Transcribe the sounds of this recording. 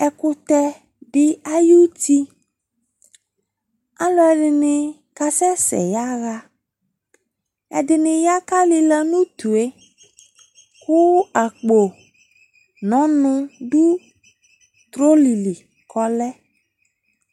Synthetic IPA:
ɛ˨kʊ˦t̪ɛ˦ | bɪ˦a˦ju˦t̪i˦ | a˦lɔ˦ɛ˨ɖɪ˨nɪ̃˨ | ka˨sɛ˦sɛ̰˨ja˦ɣa˦ | ɛ̰˨dɪ˨nɪ̃˨ja˦ka˦li˦lɛ˦nũ˦t̪u˨e˦ | kʊ˦a˨k͡po˨ | nɔ̃˨˦nʊ̃˦ɖu˦ | t̪ɾo˦li˨li˨ | kɔ˦lɛ˦

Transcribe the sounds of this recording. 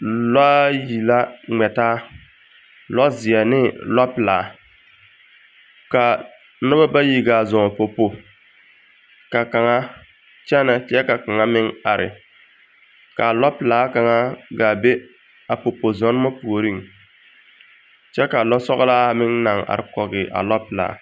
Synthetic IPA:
la˦ji˨la˦ŋ͡mɛ˨taː˦ | lɔ˦zɪ˨ɛ˨nɪ˦la˦pɪ˨laː˨ | ka˨˦ | nʊ˦ba˦ba˦ji˦ɡaː˨zɔ˨ŋ˨po˨po˨ | ka˨ka˨ŋa˦ | t͡ʃɛ˦nɛ˨t͡ʃɛ˦ka˨ka˨ŋa˦mɪ˦ŋa˨ɾɪ̰˨ | ka˨lɔ˦plaː˨˦ka˨ŋa˦ɡa˨be˦ | a˨po˨po˨zɔ˦n˦ma˦pu˨o˨ɾi˦˨ŋ | t͡ʃɛ˦ka˨lɔ˦sɔ˦ɣlaː˦˨mɪ˦ŋna˨ŋa̰˨ɾɪ˨kɔ˨ɡɪ˨ʔa̰˨lɔ˦pɪ˨la̰ː˨

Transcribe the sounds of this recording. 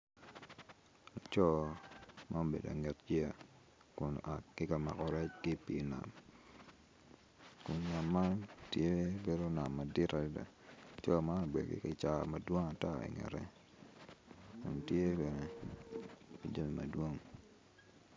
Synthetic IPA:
la˨t͡ʃɔ˦ | ma˦o˨bḛ˨da̰˨ŋɛ˨td͡ʒi˦a˨ | kʊ˨n˨ʔa˨kkɪ˦ka˨ma̰˨kɔ˨ɾɛ˦t͡ʃkɪ˦pi˨˦na̰˨m | kʊ˨nna˨mːa˦ntje˦be˦do˦na˨mːa˨dɪ˦ta˨di˦da̰˨ | t͡ʃɔ˦ma˦no˨be˨dkɪ̰˦ka˨t͡ʃa˨ma˨dwo˦ŋa˨ta˦ḭ˨ŋɛ̰˨ɾɛ̰˦ | kʊ̰˨n˨tje˦be˨ne˨ | i˨d͡ʒa˦mi˨ma̰˨dwo˦ŋ

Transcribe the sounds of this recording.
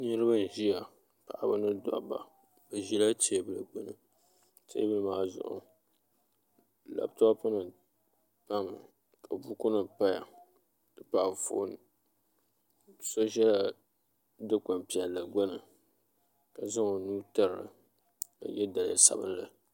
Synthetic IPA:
nɛ˦ɾɨ˦ba˦n̩˨ʒi˦ja˨ | pa˨ʔa˨ba˦nɨ˦da̰˨ba̰˨ | bɨ˨ʒi˦la˦t͡ʃe˦bɨ˦lɨ˨ɡ͡bʊ˦nɨ˨ | tḛ˦bɨ˦lɨ˨maː˦zʊ̰˨ʔʊ̰˨ | la̰˨bta˦pɨ˦nɨ˨ | pa˦m˨ | kʰa˨bu˦kʊ˦nɨ˨pa˦ja̰˨ | dɨ˨pa˨fo̰ː˦n˨ | so˦ʒɛ˦la˦ | dɨ˦ka˨mpi˨ɛ˨lːɨ˨ɡ͡bʊ˦nɨ˨ | ka˨za˦ŋo˨nuː˦ta˦ɾɾɨ̰˨ | ka̰˨jɛ˦da˨la˦sa̰˨bɨ̰˦n˦lɨ˨

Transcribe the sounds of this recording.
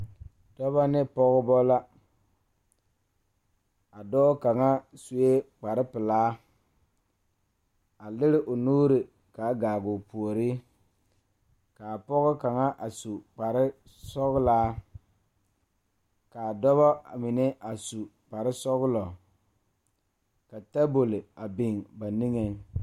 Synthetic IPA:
d̥ɔ˦βa˦nɪ˦pɔ˦ɣʊ˦bɔ˦la˦ | a˨dɔː˦ka˨ŋa˦su˨e˦k͡pa˨ɾɪ˦pɪ˨laː˦ | a˨lɪ˦ɾɪ˦ʔo˨nuː˦ɾɪ˨ | ka˨˦ɡaː˨ɡʊ˨pu˨o˨ɾi˦ | ka˨pɔ˦ɣʊ˦ka˨ŋa˦ʔa˨su˨k͡pa˨ɾɪ˦ | sɔ˦ɣʊ˦laː˦ | ka˨dɔ˦βɔ˦˨mɪ˨ne˦ʔa˨su˨ | k͡pa˨ɾɪ˦sɔ˦ɣʊ˦lɔ˨ | ka˨ta˦bo˨lɪ˨a˨bɪ˨ŋba˨ni˦ŋe˨

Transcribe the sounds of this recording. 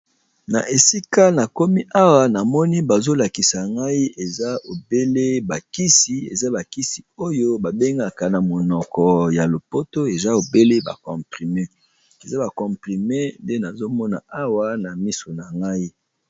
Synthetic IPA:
na̰˨ʔe˨si˦ka˦na˨ko˦mi˦ʔa˦wa˨na˨mɔ˦ni˦ba˨zo˦la˨ki˨sa˨ŋɡa˦i˦ʔe˨za˦o˨be˦le˦ba˨ki˦si˨ḛ˨za˦ba˨ki˦si˨o˦jo˦ba˨be˦ŋɡa˨ka˨na˨mo˨nɔ˨kɔ˨ja˨lo˨po˦to˦e˨za˦o˨be˦le˦ba̰˨kɔ̃˨pʁi˨me˦ | e˨za˦ba˨kɔ̃˨mpʁi˨me˦de˦na˨zo˦mɔ˦na˨ʔa˦wa˦na˨mi˦so˨na˨ŋɡa˦i˦

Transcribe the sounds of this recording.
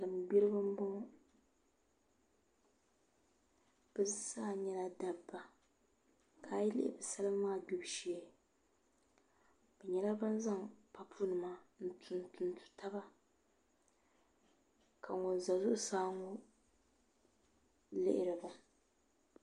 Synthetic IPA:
lɨ˨m˨bi˦ɾɨ˦bɨ˦m˦bɔ˦ŋ˦ | b̥ɨ˦saː˦˨ɲɛ˦la˦da˨bba˨ | kʰaː˨ji˦lɪ̰˦ʔɪ̰˨bɨ˨sa˦lɨ˦mː˦aː˦˨du˦˨bʃi˨ɛ˨ | bɛ˨ɲɛ˨la˦ba˦nza˦ŋpa˦pʰu˦nɨ˨maː˦n̩˦tʰʊ˨ntʊ˨n˨tu̥˨ta˦ba˦ | ka˨ŋo˨n˨za˨zʊ˦ʔʊ˦saː˦ŋo˦ | lɪ̰˦ʔɪ̰˨ɾɨ˨ba˨

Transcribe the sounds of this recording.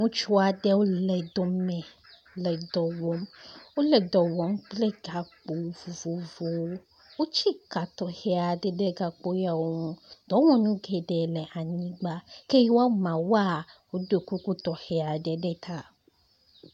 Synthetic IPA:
ŋũ˦t͡ʃu˦a˨ɖɛ˦wo˦lɛ˨d̪o˦mɛ̃˨ | lɛ˨d̪ɔ˨wɔ˨mwo˦lɛ˨d̪ɔ˨wɔ˨˦mk͡plɛ˦ɡa˨k͡po˨˦vo˨vo˨vo˨wo˦ | wo˦t͡ɕi˦ka˨t̪ɔ˨hɛ˨a˨ɖɛ˦ɖɛ˦ɡa˨k͡po˦ja˨wo˦ŋũ˦d̪̥ɔ̃˨˦wɔ̃˨nũ˦ɡɛ˨ɖɛ˨lɛ˨ʔa˨ɲĩ˦ɡ͡ba˦ke˦jwo˦a˦mã˨wa˦˨wo˦do˨ku˦ku˦t̪ɔ˨hɛ˨a˨ɖɛ˨ɖɛ˦t̪ʰa˦˨

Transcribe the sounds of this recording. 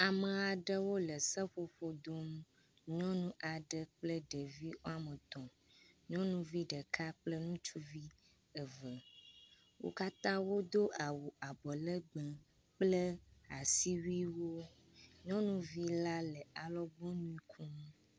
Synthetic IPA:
a˨me˨a˨ɖə˦wo˦lə˨sɛ˦ɸo˨ɸo˨d̪o˦m˦ | ɲɔ̃˦nũ˦ʔa˨ɖə˦k͡plɛ˦ɖɛ˨vi˦wo˦a˨mẽ˨t̪ɔ̃˨ | ɲɔ̃˦nũ˦vi˦ɖɛ˨kʰa˦k͡plɛ˦nũ˦t͡ʃu˦vi˦ | ɛ˨və˨ | wo̰˦ka˦t̪ã˦wo˦d̪o˦ʔa˨wu˨a˨bɔ˨lɛ˦ɡ͡bɛ̃˨ | k͡ple˦a˨si˦wi˦wo˦ | ɲɔ̃˦nũ˦vi˦la˦lɛ˨a˨lɔ˦ɡ͡bɔ̃˦nũ˦ĩ˦kʰũ˦m˦

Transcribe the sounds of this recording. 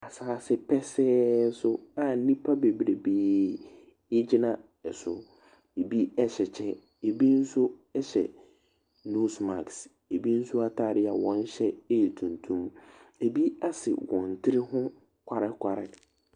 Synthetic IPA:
a˨saː˨sɪ˦pʰɛ˦sɛː˦sʊ˦a˨˦nĩ˦pʰa˦be˨bɾe˨beː˨ | ɪ˦d͡ʑi˦nã˨ | ɛ˨sʊ˨ | e˨bi˦ɛ˦ɕɛ˨t͡ɕʰɛ˦ | e˨bi˦n̩˦sʊ˦ɛ˦ɕɛ̰˨ | nu˦sma̰˨ks | e˨bi˦n̩˦sʊ˦a˦tʰa˨ɾɪ˦a˨wɔ̃˦n˦ɕɛ˦e˦jɛ˨tʰũ˨ntʰũ˦me˨bi˦a˦sɪ̰˨wɔ̃˨n˨tʰɪ˦ɾɪ˦hʊ̃˦ | kʷʰa˨ɾɪ˦kʷʰa˨ɾɪ̰˦

